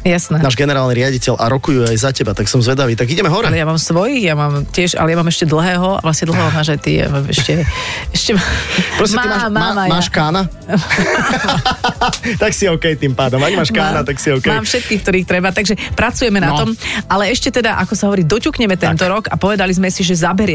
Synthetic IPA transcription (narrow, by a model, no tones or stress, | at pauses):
jasnɛːnaːʒɡɛnɛɾaːlniɾɪaɟicɛlʔa̰ɾɔkujuajzacɛbat̪aksɔmzʋɛd̪aʋiːt̪aɡiɟɛmɛɦɔɾɛlɛjamaːmsʋɔjixjamaːmcɪɛʃa̰lɛjamaːmɛʃcɛd̪l̩ˠɦɛːɦɔa̰ʋlasɲɛd̪l̩ˠɦɛːɦɔmaːʒajt̪ija̰maːmɛ̰ʃcɛɛʃcɛmapɾɔsɛmat̪imaːmaaamaːʃkaːna | t̪aksiɔʊkɛjt̪iːmpaːd̪ɔmaɡmaːʃkaaːnat̪aksiɔʊkɛjːmfʃɛt̪̚kiːxkt̪ɔɾiːxt̪ɾɛbat̪aɡʒɛpɾat͡sujɛmɛnat̪ɔmʔalɛɛʃcɛt̪ɛd̪aʔakɔsaɦɔʋɔɾiːd̪ɔcuːkɲɛmɛt̪ɛnt̪ɔɾɔka̰pɔʋɛd̪alizmɛsiʒɛzabɛɾɪɛ